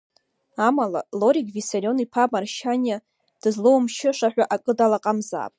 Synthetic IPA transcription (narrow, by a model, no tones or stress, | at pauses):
amala̰lo̞ɾiɡʲvisaɾʲio̞nipʰamarʃanʲja | d̥ɨzlowmʃɪʂaħᶣʷaʔakʼɨdalaqʼamza̰ːpʼ